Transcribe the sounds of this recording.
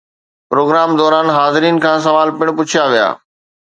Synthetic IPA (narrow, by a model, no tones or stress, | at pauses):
pɾoːɡɾaːmd̪ɔːɾaːnɦaːzɪɾiːnkʰãːs̬ɐʋaːlpɪɽ̃pʊt͡ɕʰjaʋija̰ː